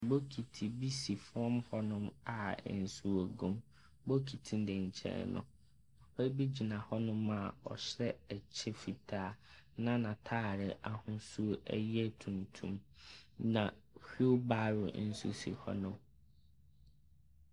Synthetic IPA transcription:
bo˦kʰi˨tʰi˨bi˦si˨fɾɔ̃˦mhɔ˦nʊ̃˦ma̰˨n̩˨su˨o˨ɡũ˦m | bo˦kʰi˨tʰi˦n˦dɛ˨ɲ̩˨t͡ɕʰɛ̰̃˨nʊ̰̃˨ | pɛ˦ɾbi˦d͡ʑi˨nã˨hɔ˦nʊ̃˦ma˨ɔ̰˨ɕɾɛ˦ɛ˨t͡ɕʰɛ˦fi˨tʰaː˨˦nã˦nã˨tʰaː˦˨ɾɪ˨ʔa˨hʊ̃˦su˦æ̰˦jɛ˦tʰũ˨ntʰũ˦mnã˨ | hᶣo˦baː˦ɾʊ˨n̩˦sṵ˦sḭ˨hɔ̰˦nʊ̃˦m

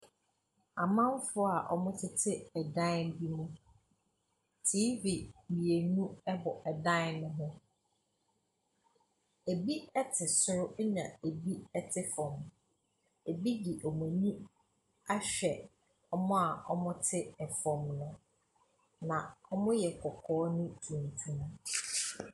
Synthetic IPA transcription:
a˨mã˦m˦fʊ˦a˨ʔɔ̰˦mʊ̃˦tʰɪ˦tʰɪ˦ɛ˨dã˦n˦bi˦mũ˦ | tʰiː˦vi˨mi˨e˨nũ˦ɛ˦bɔ˨ʔɛ˨dã˦n˦nʊ̃˦ɦʊ̃˦ | e˨bi˦ɛ˦tʰɪ˨sʊ˦ɾʊ˦nã̰˨e˨bi˦ɛ˦tʰɪ˦fɔ̃˨m | e˨bi˦ɡi˨ʔɔ˨mã˨ɲũ˦ | a˦ɕᶣɛ˨ | ɔ˦mʊ̃˦a˨ɔ̰˦mʊ̃˦tʰɪ˦ɛ˨fɔ̃˨mnʊ̃˦ | nã˨ɔ˦mʊ̃˦jɛ˨kʰɔ˨kʰɔː˦nʊ̃˦tʰĩ˨n˨tʰũ˦m˦

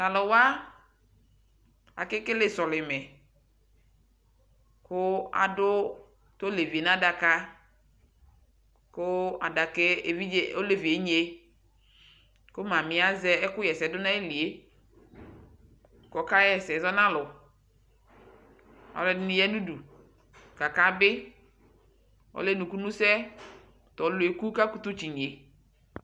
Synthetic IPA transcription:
na˨lo˨wa˦ | a̰˨kɪ˦kɪ˦le˦sɔ˨lɪ˨mɛ˨ | kʊ˦a̰˨dʊ˦ | t̪o˦le˨vi˨e˨nã˦da˨ka˦ | kʊ˦a˨da˨ke˦˨vi˦o˦le˨vi˨e˦ɲ˦e˦ | ko˦mã˨mɪ̃˨˦a˦zɛ˦ɛ˦kʊ˦jɛ˨sɛ˨˦dʊ˦nã˦e˦li˨e˦˨ | kɔ˨ka˦jɛ˨sɛ˨zɔ˦nã˦lʊ˨ | ɔ̰˨lɛ˦dɪ˦nɪ̃˦jɛ˦nu˦du˨ | ka˨ka˦bɪ˦ | ɔ̰˦le˦nũ˨ku˦nũ˦sɛ˦ | tɔ˨˦lʊ˨˦e˨ku˦ka˦ku˦t̪u˦t͡ʃi˨ɲ˨e˨

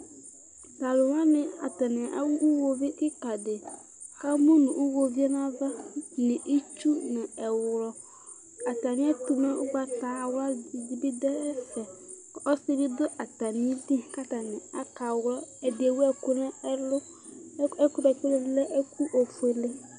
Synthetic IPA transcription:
ta˨lʊ˨wa˦nɪ˨a̰˨ta˨nɪ˨a˦wu˦wo˨vi˦kɪ˦ka˨dɪ˨ | ka˦mu˦nʊ̃˨ʔu˦wo˨vi˦ɛ˦nã˦va˦nɪ̃˨ʔi˦t͡ʃu˦nɪ̃˨ɛ˨wɾɔ˦ | a˨t̪a˨nɪ̃˦a˦t̪u˨me˦ʊ˦ɡ͡ba˨t̪a˨wa˦˨d͡ʒi˨bi˦dɛ˦ɛ˦fɛ˨ | ɔ˦sɪ˦dɪ˦dʊ˦ʔa˨ta˨nɪ̃˦di˦ka˦ta˨nɪ̃˨a˦ka˨wɾɔ˦ɛ˨dɪ˨e˨wɛ˦˨kʊ˦nɛ̃˦lʊ˦ | ɛ˦kʊ˦ɾɛ˨kʊ˦le˦lɛ˦ʔɛ˦ku˦ʔo˨fe˨le˦

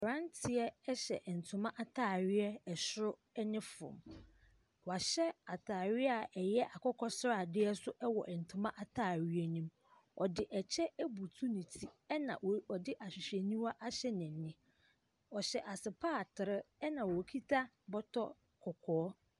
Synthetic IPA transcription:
ɾã˦n˦tʰɪ˨ɛ˦ɛ˦ɕɛ̰˨ʔn̩˨tʰʊ˨mã˦ʔa˦tʰaː˦˨ɥɪ˦ɛ˦ɛ˨ɕɾʊ˦ | ɛ˦nɪ̃˦fʊ̰̃˨m | wɔ˨a˨ɕɛ˦a˨tʰaː˨ɥɪ˦a˨ʔɛ˨jɛ˦ʔa˨kʰɔ˦kʰɔ˦sɾa˨dɪ˦ɛ˦sʊ˦ʔɛ˦wɔ̰˨ʔɛ˨n̩˨tʰʊ̃˨mã˦ʔa˨tʰaː˦˨ɥi˦ɛ˦nĩ˦m | ɔ˨dɪ˨ʔɛ˨t͡ɕʰɛ˦æ˦bu˨tʰu˦nĩ˨tʰi˦ɛ˦nã̰˨ɔ˨dɪ˦ʔa˨ɕᶣɪ˨ɕᶣɛ˨nĩ˦ma˦ʔa˦ɕɛ˦nɪ̃˨nɪ̃˦ | ɔ˨ɕɛ˨ʔa˨sɪ˨pʰaː˦˨tʰɪ˨ɾɪ˦ɛ˦nã˨wɔ˨kʰi˦tʰa˦ | bɔ˦tʰɔ˦ | kʰɔ˨kʰɔː˨˦

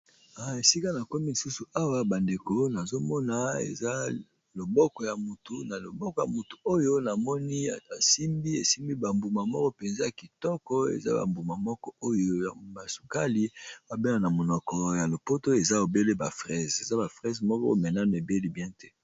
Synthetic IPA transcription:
a˨e˨si˦ka˦na˨ko˦mi˦ni˨su˦su˨a˦wa˦ba˨nde˨ko˦na˨zo˦mɔ˦na˦ḛ˨za˦ | lo˨bɔ˦kɔ˨ja˨mu˨tu˨na˨lo˨bɔ˦kɔ˨ja˨mu˨tu̥˨o˦jo˦na˨mɔ˦ni˦˨a˨si˦mbi˦e˨si˦mbi˦ba˨mbu˨ma˨mɔ˦kɔ˦pɛ˨nza˦a˨ki˨tɔ˦kɔ˦ḛ˨za̰˦ba̰˨mbu˨ma˨mɔ˦kɔ˦o˦jo˦ja˨ba˨su˨ka˦li˦ba˨be˦na˨na˨mo˨nɔ˨kɔ˨ja˨lo˨po˦to˦e˨za˦o˨be˦le˦ba˨fʁɛ˦˨ze˨za˦ba˨fʁɛ˦zmɔ˦kɔ̰˦mɛ˨na˦n˨e˨be˦li˦bjɛ̃˦tɛ̥˦

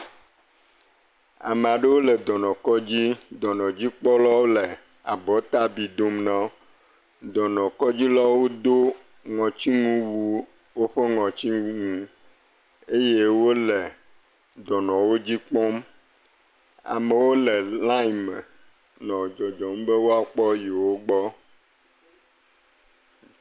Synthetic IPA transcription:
a̰˨me˨a˨ɖe˦wo˦le˨d̪ɔ˨nɔ̃˨kɔ˦d͡ʑi˦d̪ɔ˨nɔ̃˨d͡ʑi˦k͡pɔ˦lɔ˦wo˦le˨ | a˨bɔ˨˦t̪a˦bi˨d̪o˦mnã˦ | d̪ɔ˨nɔ̃˨kɔ˦d͡ʑi˦lɔ˦wo˦d̪o˦ | ŋɔ̃˨t͡ɕi˦ŋũ˦wu˦ | wo˦ɸe˦ŋɔ̃˨t͡ɕi˦u˦ŋũ˦ | e˦je˦wo˦le˨ | d̪ɔ˨nɔ̃˨wo˦d͡ʑi˦k͡pɔ̃˦m | a̰˨me˨wo˦le˨lã˦i˨me˨ | nɔ̃˨d͡ʒɔ˨d͡ʒɔ˨m˦be˦wo˦a˨k͡pɔ˦ji˨wo˦ɡ͡bɔ˦

